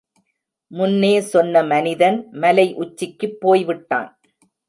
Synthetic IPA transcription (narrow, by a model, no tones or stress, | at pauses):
mʊnːeːsɔnːɐmɐnɪðɐnmɐlɐɪʔʊt͡ʃːɪkːɯpːoːjʋɪʈːa̰ːn